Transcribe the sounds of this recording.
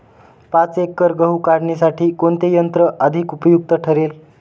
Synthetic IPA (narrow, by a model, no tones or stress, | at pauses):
pãt͡sekːəɾɡəɦukaɽɳisaʈʰiːkoɳt̪ejənt̪ɾəʔəd̪ʱikupəjuk̚t̪əʈʰəɾel